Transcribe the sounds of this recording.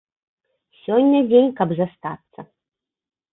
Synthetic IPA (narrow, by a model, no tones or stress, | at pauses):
sʲɔnʲːɐd͡zʲenʲkɐbzast̪at̪sːɐ